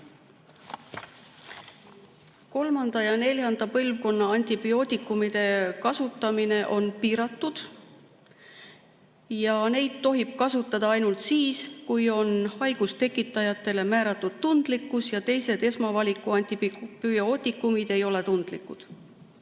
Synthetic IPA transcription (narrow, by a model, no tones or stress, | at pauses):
ko̞lmɑnd̪̥ɑjɑne̞ljɑnd̪̥ɑpɤlvko̞nːɑɑnʲt̪ʲibio̞ːt̪ikːumid̪̥e̞kɑsut̪ːˑɑmine̞ʔo̞npiːɾɑt̪ːˑud̪̥ | jɑne̞jd̪̥t̪ːo̞ɦib̥̚kɑsut̪ːˑɑd̪̥ɑɑjnult̪siːskujo̞nhɑjɡ̥ust̪e̞kːˑit̪ːˑɑjɑt̪ːˑe̞le̞mæːɾɑt̪ːˑud̪̥̚t̪und̪̥likːˑusjɑt̪e̞jse̞d̪̥e̞smɑvɑlʲikˑuɑnʲt̪ipio̞ːt̪ʲikˑːumid̪̥e̞jo̞le̞t̪und̪̥likːˑud̪̥